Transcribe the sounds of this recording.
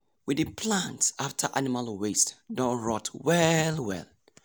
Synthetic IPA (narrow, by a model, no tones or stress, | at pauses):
wɪdɨpʰlãntsaftʰəʔanimalwestdɔɹɔtʰwɛlwɛ̰l